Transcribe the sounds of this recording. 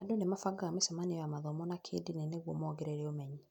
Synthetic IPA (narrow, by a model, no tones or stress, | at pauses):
adonemafaɡaamesɛmaniɔjamaðɔmɔnakʰḛːdineneɣwɔmɔːɡɛɾɛɾɛomɛɲi